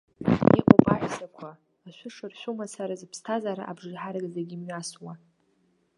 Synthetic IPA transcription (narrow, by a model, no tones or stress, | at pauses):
ḭʔʷʼapʼaʕʷzakʷʰaː | ʃʷʊʂɨrʃʷᶣumasaɾazɨpʰstʰazaɾa̰ʔabʐrħaɾɨɡʼzaɡʲimɥaswa